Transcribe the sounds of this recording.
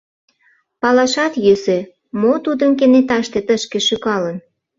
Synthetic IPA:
pɑlɑʃɑt̪jøsĕ | mot̪ud̪əmk̬enet̪ɑʃt̪et̪əʃkĕʃyɣɑlən

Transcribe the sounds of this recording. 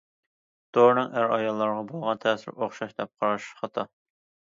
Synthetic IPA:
d̪̥oɾnɨŋæɾɑjɑlˠːɑɾʁɑbolˠʁɑnt̪ʰɛːsɪ̰ɾoχʃɑʃd̪ɛp̚qʰɑɾɑʃqɑt̪ʰɑ

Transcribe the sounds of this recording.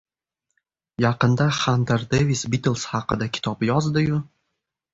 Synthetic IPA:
jɑqɨnd̪aχand̪eɾd̪evisbit̪ɨlˠshɑqɨd̪akʲʰɪ̥t̪ʰɒpjɒzd̪ɪjʊ

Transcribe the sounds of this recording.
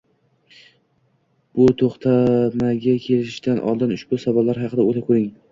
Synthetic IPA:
b̥ʊt̪ʰoχt̪ʰamaɡʲakʲʰe̞lɪɪʃt̪anʔɒ̰lˠd̪ɪnʊʃbʊsavɒlːaɾɦɑqʰɨd̪aolɪp̚qʰoɾɪŋ

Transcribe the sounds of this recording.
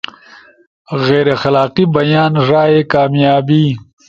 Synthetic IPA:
ɣeːɾexɐlaːqibɐjaːnʐaːekaːmjaːbi

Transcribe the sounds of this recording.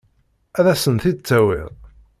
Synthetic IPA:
æðæsənθid̪t͡sːæwɪ̰ʁ

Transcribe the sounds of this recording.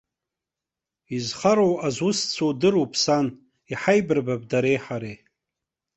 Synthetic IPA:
izχaɾowazʊst͡sʰowdɨɾupʰsan | iħajbɨrbab̚daɾejħaɾe

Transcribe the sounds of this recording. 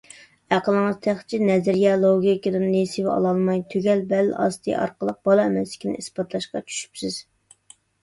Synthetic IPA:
æqəlˠəŋɨz̥t̪ʰæχt͡ʃʰinɛzɪɾjɛlˠoɡʲikʲid̪ɨnnesɪwɑ̰lˠɑlˠmɑjt̪ʰyɡʲɛlbɛlːʔɑ̰st̪ʰɨ̰jɑ̰ɾqəlˠəq̚b̥ɑlˠɑɛmɛslɪ̥kʲʰinɪ̰isbɑt̪ʰlˠɑʃqɑt͡ʃʰy̥ʃy̥psɪz̥

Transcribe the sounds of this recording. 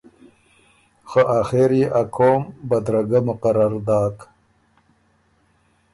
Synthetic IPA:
xəʔaxeɾiʔakʰoːmbad̪ɾaɡamʊqaɾaɾd̪ɑːk

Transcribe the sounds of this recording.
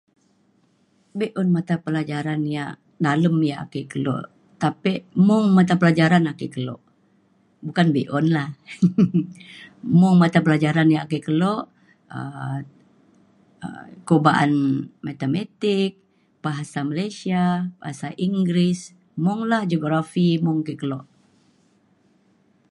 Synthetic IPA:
beʔɔnmat̪apəlad͡ʒaɾanjaʔ | daləmja̰ːkikəlo̰ʔ | t̪apiʔmʊŋmat̪̬apəlad͡ʒaɾanakikəlo̰ʔ | bukanbeʔɔnlah | mʊŋmat̪apəlad͡ʒaɾanjaakikəlɔʔ | ə̰ | ə̰kobaʔa̰nmat̪emat̪ɪk̚ | b̥aɦasamalajsiab̥aasaʔiŋɡɾɪs | mʊŋlahd͡ʒoɡɾafimʊŋakikəlɔʔ

